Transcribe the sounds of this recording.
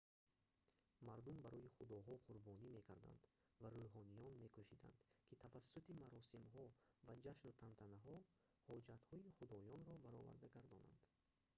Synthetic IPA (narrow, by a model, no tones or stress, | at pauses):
maɾd̪umbaɾɔiχud̪ɔɦɔqʰuɾbɔnime̞kʰaɾd̪a̰nd̪ | vaɾoɦɔnijɔnme̞kʰuʃid̪a̰nd̪̥kʰit̪ʰavasːut̪imaɾɔsimɦɔvad͡ʒaʃnut̪ʰant̪ʰanaɦɔ | hɔd͡ʒat̪hɔiχud̪ɔjɔnɾɔbaɾɔ̰va̰ɾd̪aɡaɾd̪ɔna̰nd̪̥